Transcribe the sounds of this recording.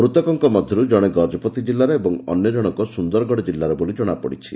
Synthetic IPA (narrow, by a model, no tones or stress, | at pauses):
ɾut̪ɔkɔŋkɔmɔd̪ʱjɔɾud͡ʒɔɽ̃eɡɔd͡ʒɔpɔt̪id͡ʒilːaɾeebɔŋɔ̰njɔd͡ʒɔɽ̃ɔŋkɔsund̪ɔɾɡɔɽid͡ʒilːaɾebolid͡ʒɔɽ̃apɔ̰ɽit͡ʃʰḭ